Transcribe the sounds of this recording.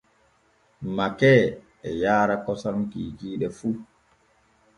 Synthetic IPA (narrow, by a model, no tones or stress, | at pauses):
makɛː | ɛjaːɾakɔsamkiːkiːɗɛfu